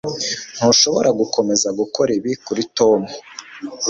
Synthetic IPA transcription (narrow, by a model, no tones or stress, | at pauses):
n̥huʃo̞βo̞̰ɾaɡukʰo̞me̞zaɡukoɾiβikuɾito̞ːmu